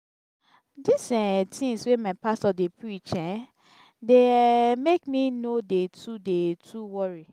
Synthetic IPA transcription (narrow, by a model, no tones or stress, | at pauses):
disɛ̃tʰĩŋswemaɪpastɔdepɹit͡ʃɛ̃n | demekminodetʰudetʰuwɔɹi